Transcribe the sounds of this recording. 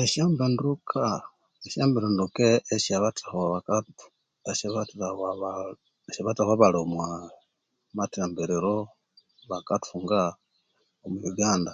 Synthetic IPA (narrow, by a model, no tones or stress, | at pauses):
eʃaːmbendukʰa | eʃambeɾendukeeʃaβatahoβakatu̥ | eʃeβaaaβ | ʃaβat͡sahaβalomwa | matembeɾiɾo | βakatuŋɡa | omuiɡaːnda